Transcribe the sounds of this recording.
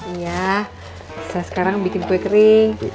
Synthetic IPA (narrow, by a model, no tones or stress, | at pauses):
ija | sasə̥kaɾaŋbikɪnpɛt̪ɾɪŋ